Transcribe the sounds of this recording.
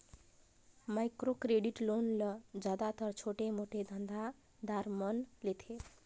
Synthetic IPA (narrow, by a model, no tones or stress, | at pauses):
maɪkɾokɾeɖiʈlonləd͡ʒjad̪at̪əɾt͡ʃʰoʈemoʈed̪ʱə̃nd̪ʱa | d̪aɾmənlet̪ʰe